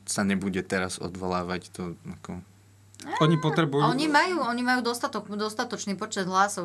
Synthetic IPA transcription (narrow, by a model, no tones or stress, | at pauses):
saɲɛbuɟɛt̪ɛɾazɔ̰d̪ʋɔlaːʋact̪ɔakɔ | ɛɔɲipɔt̪ɾɛbujɔɲimajuːɔɲimajuːd̪ɔst̪at̪ɔkd̪ɔst̪at̪ɔt͡ʃniːpɔt͡ʃɛd̪ɦlaːsɔʊ